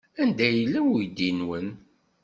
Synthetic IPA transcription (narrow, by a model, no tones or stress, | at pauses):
ænd̪æjəlːæwjd̪ːinwən